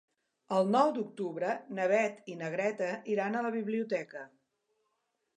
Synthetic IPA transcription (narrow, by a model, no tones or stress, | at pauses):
əlˠnɔwd̪uk̚t̪uβɾənəβɛt̪inəɣɾɛt̪əʔiɾanələβiβliut̪ɛkə